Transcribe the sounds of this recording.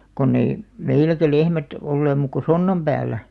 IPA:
konː ei meilækæ lehmæt olːeːm muːk ko sonːɑm b̥æːlˑæ

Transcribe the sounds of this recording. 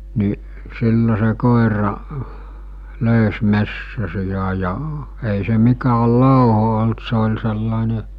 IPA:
ni silːo se koˑerɑ løˑys mesːæsijɑ jɑ ei se mikæːl loˑuho olt se olʲ selːɑˑene

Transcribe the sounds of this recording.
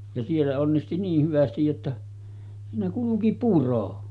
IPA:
jɑ sielːæ onːisti niːh hyʋæstij jotːɑ siːnæ kuluki puro

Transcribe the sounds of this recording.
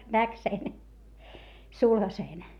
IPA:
næk sen sulhɑseːn

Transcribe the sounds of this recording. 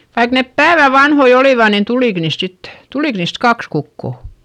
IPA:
ʋɑik nep pæːʋæ ʋɑnhoi oliˑʋɑ nin tuliˑk niːst sitːe̥ tulik niːst kɑks kukːo

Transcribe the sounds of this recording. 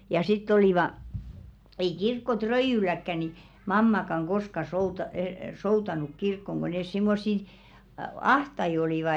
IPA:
jɑ sitː oliˑʋɑ ei kirkːotrøijylækːæ ni mɑmːɑkɑŋ ɡ̊oskɑ soutɑ soutɑnuk kirkːoŋ ɡ̊o nes simːosːi ɑhtɑi oliˑʋɑ

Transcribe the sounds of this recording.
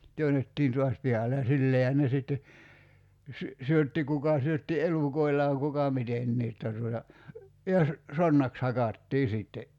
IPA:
tyønetːiːn tuɑs pihɑle jɑ silːeːhæn ne sitːe sy syøtːi kukɑ syøtːi eluˑkoilːɑːŋ kukɑ mitenːiː tːɑ tuotɑ jɑ sə sonːɑks hɑkɑtːiː siˑtːe

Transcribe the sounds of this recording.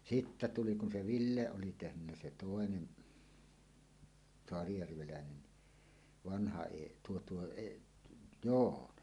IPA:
sitːæ tuli kun se ʋilːe oli tehnynːæ se toˑenen soɑrijærʋelæˑenen ni ʋɑnhɑ eʔ tuo tuo eʔ joːnɑ

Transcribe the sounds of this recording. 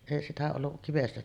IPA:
eˑi sitæ olːuʔ kiʋestæ

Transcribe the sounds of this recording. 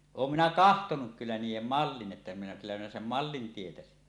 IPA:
oːm minæ kɑhtonuk kylːæ niːjˑem mɑlːin ʔetːæ minæ kylːæ minæ sem mɑlːin tietæsin

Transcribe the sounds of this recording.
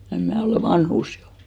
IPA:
em mæˑ oleˑ ʋɑnhuˑs jo

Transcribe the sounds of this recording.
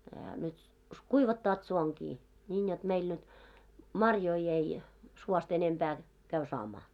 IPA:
ehæ nyt kuiʋɑtːɑːt suoŋɡ̊i nʲiːn jot meil nyt mɑrjoi ei suost enempæː kæy sɑːmɑː

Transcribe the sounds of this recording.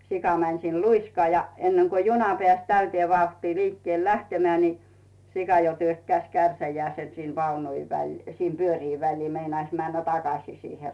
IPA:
sikɑ mænʲ siːn luiskɑː jɑ enːeŋko junɑ pĕæˑs tæytĭeː ʋɑuhtiː liːkːĭeˑl læhtemĕæˑ ni sikɑ jo tyøkːæĭs kærsæjæˑese sin ʋɑunut ʋælʲ sim pyøriː ʋælʲliː meinɑis mænːæ tɑkɑsiˑ siːhe

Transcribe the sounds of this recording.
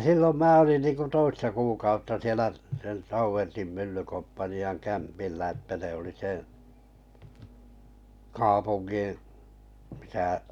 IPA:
silːom mæː olin ninku toistɑ kuːkɑutːɑ sielæ sielæ̆ tɑuʋertim mylːykompːɑniɑŋ kæmpilːæ etːæ ne oli seˑ kɑːpunɡ̊in̞ misæ

